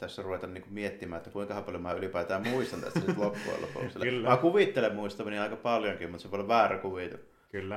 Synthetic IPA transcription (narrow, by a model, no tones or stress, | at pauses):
t̪æsːæruʋet̪ɑnniːŋkummiet̪ːimæ̰ːet̪ːækuiŋkɑhɑpɑljomnæylipæˑːt̪æːmmuist̪ɑnt̪æ̰st̪æsit̪lop̪ːṵɑ̰lːo̰pṵˑselːeːmækuʋit̪ːelemmuist̪ɑmeniɑˑikɑpɑljoŋkimmut̪seʋlʋæːrækuʋit̪ṵ | kylː